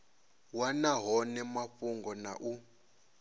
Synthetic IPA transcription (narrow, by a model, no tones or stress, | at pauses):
wanaɦɔnɛmaɸuŋɡɔna̰ʔu